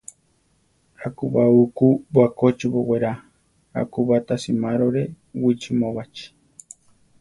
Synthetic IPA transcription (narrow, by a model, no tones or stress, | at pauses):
akuβaukubwakot͡ʃiβoweɾa | a̰kuβat̪asimãɾoɾe | wit͡ʃimõβat͡ʃi̥